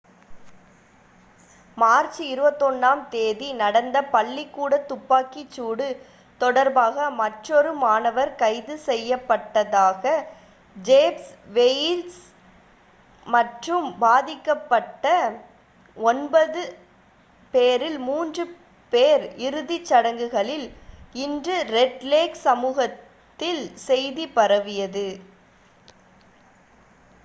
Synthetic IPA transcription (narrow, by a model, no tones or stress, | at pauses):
maːɾt͡ʃːiɪɾɯbɐt̪ːɔnːaːmt̪eːðinɐɽɐnd̪ɐpɐɭːikːuːɽɐt̪ːʊpːaːkit͡ʃːuːɽɯ | t̪ɔɽɐɾbaːɣɐmɐʈrɔɾɯmaːnɐʋɐɾkɐɪðɯsɛjːɐpːɐʈːɐðaːɣɐ | d͡ʒeːpsʋejls | mɐʈrɯmbaːðɪkːɐpːɐʈːɐ | ɔnbɐðɯ | peːɾɪlmuːndrɯ | peːɾɪɾɯðɪt͡ʃːɐɽɐŋɡɯɣɐɭɪlɪndrɯɾɛɖleːksɐmuːɣɐt̪ː | ɪlsɛjðipɐɾɐʋɪjɐðɯ